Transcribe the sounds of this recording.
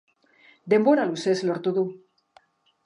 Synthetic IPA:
d̪emboɾalusesloɾt̪uðu

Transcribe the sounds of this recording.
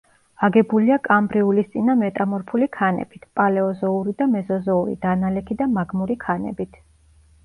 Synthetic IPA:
aɡɛbuliakʼambɾiulist̪sʼinamɛt̪ʼamɔɾpʰulikʰanɛ̰b̥it̪ʰpʼalɛɔzɔuɾid̪amɛzɔzɔuɾḭd̪̥analɛkʰid̪amaɡmuɾikʰanɛ̰bit̪ʰ

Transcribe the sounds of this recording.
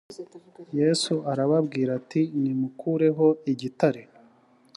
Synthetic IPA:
je̞ːsuʔaɾaβabɡiːɾatinimukʰuɾe̞ɦo̞iɟitaɾe

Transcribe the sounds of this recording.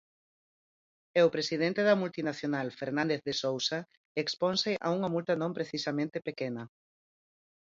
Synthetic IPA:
eopɾesiðent̪eðɐmult̪inaθjonalfeɾnãnd̪eθðesowsa | ekspɔnseʔa̰uŋɐmult̪ɐnõmpɾeθisamẽnt̪epekenɐ

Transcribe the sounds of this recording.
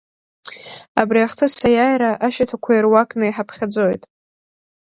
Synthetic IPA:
abriaχtʰɨsajajɾaʔaʃatʰakʷʰairwakʼnɨjħapʰχʲad͡zojtʼ

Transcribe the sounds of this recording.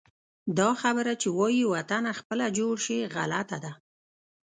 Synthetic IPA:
d̪ɑxabəɾat͡ʃewɑjiwat̪anaxpəlad͡ʒoɽʃiɣa̰lat̪ad̪a

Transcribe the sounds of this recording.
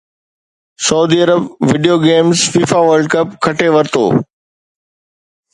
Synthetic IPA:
sɐʊd̪iɐɾəbʋɪɖijoːɡeːmzfiːfaʋəɾlɖkɐpkʰɐʈeʋɐɾt̪ʰo̰ː

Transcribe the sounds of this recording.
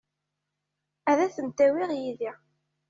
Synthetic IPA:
æðæθənt̪æwiʁjiði

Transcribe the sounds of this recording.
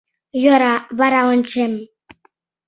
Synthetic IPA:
jɔɾaβaɾaɔnt͡ʃɛm

